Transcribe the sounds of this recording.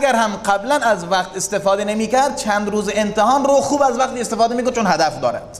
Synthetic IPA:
æɡæɾhæmqæblænæzvæqt̪est̪efɒːd̪enemiːkæɾd̪̚t͡ʃʰænd̪ɾuːzeent̪ehɒːnɾoxuːbæzvæqt̪iːest̪efɒːd̪emiːkond̪t͡ʃʰonhæd̪æfd̪ɒ̰ːɾæ̰d̪̥

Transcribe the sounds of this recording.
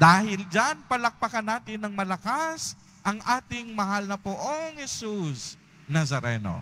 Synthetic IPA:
d̪aːhɪld͡ʒanpɐlɐk̚pɐkɐnaːt̪ɪnːɐŋmɐlɐkas | ʔɐŋʔaːt̪ɪŋmɐɦalnɐpʊʔoŋhɛsus | nɐsɐɾɛno̰

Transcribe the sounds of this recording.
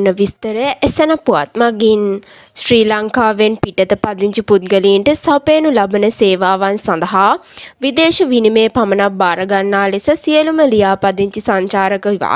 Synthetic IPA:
nəʋɪst̪əɾɛʔɛsɛnaːpʊa̰ːt̪maːɡin | sɾiːlaŋkaːʋenpiʈət̪epɐd̪ɪnt͡ʃiput̪ɡəliːɳʈesɐpɛ̃ːnũːlɐbneseːʋaːʋɐnsɐ̃nd̪əɦaː | ʋɪd̪eːʃʋinmẽːpʰɐmənaːbaːɾəɡɐnnaːlesəsieluməlijaːpɐd̪ɪnt͡ʃisaɲt͡ʃaːɾəkʋa̰ː

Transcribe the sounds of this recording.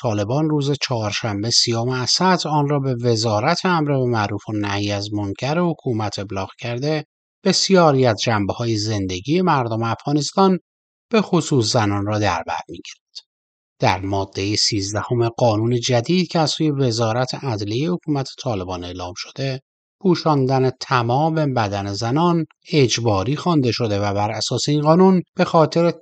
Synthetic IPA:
t̪ʰɒːle̞bɒːnruːzet͡ʃʰɒɦːɾʃæmbesijomeæsæt̪ʰɒːnrɒːbe̞ve̞zɒːɾæt̪ʰeæmɾevæmæɾuːfonæhjiæzmoŋcʰæɾehokʰuːmæt̪ʰe̞blɒːɣcʰæɾd̪e̞ | b̥e̞sijɒːɾiːæzd͡ʒæmbehɒːjeze̞nd̪e̞ɟiːe̞mæɾd̪omeæfɣɒːne̞st̪ɒːn | b̥e̞xosuːs̬zænɒːnrɒːd̪æɾbæ̰ɾmiɟ̥iɾed̪̥ | d̪̥æɾmɒːd̪̥ːe̞jisiːzd̪æho̞meɡɒːnuːne̞d͡ʒæd̪iːd̪̥cʰeæzsuːje̞ve̞zɒːɾæt̪ʰeʔæd̪lejehokʰuːmæt̪ʰet̪ʰɒːle̞bɒːneːlɒːmʃo̞̥d̪̥e̞ | pʰuːʃɒːnd̪ænet̪ʰæmɒːmebæd̪ænezænɒːn | e̞d͡ʒbɒːɾiːxɒnd̪e̞ʃo̞d̪e̞væbæɾʔæsɒːseiːnɢɒːnunb̥e̞xɒːt̪ʰe̞ɾe

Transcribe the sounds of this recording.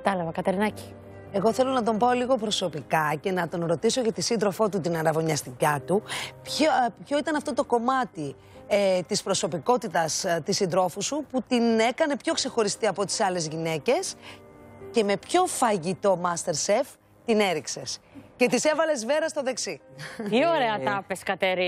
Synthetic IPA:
kɐt̪ɐlɐvɐkɐt̪eɾinɐci̥ | e̞ɣo̞θe̞lo̞nɐt̪o̞mbao̞liɣo̞pɾo̞so̞pikɐce̞nɐt̪o̞nɾo̞t̪iso̞cɐt̪isind̪ɾo̞fo̞t̪ut̪inɐɾɐvo̞ɲɐst̪icɐt̪upçpço̞it̪ɐnɐft̪o̞t̪o̞ko̞mɐt̪i | t̪ispɾo̞so̞piko̞t̪it̪ɐst̪isind̪ɾo̞fusuput̪ine̞kɐne̞pço̞kse̞xo̞ɾist̪iɐpo̞t̪i̥sɐle̞zʝine̞ce̞s | ce̞me̞pço̞fɐʝit̪o̞mɐst̪e̞ɾse̞f | t̪ine̞ɾikse̞sce̞t̪ise̞vɐle̞zve̞ɾɐst̪o̞ðe̞ksiioɾeɐt̪ɐpeskɐt̪eɾi

